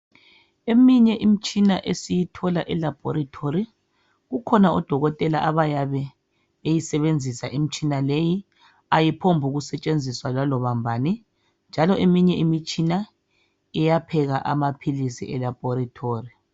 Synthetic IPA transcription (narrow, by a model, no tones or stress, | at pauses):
emiɲɛʔim̩t͡ʃʼinaʔesijitʰɔlaʔɛlab̥ʱɔɾatʰoɾi | ɣukʰɔnaɔd̥ʱɔɣɔtʼɛla̰ʔaβajaβɛ | βejisɛβend͡zʱisaʔim̩t͡ʃʼinaleji | ajipʰombʱuɣusɛt͡ʃʼend͡zʱiswalalɔβambʱani | nd͡ʒʱalɔʔemiɲɛimit͡ʃʼina | ɛjapʰɛɣaʔamapʰilisḭɛlab̥ʱɔɾatʰoːri